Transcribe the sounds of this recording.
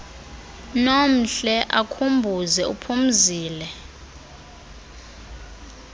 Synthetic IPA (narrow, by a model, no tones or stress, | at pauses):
nom̩ɬɛʔakʰumbʱuzɛṵpʰum̩ziːlɛ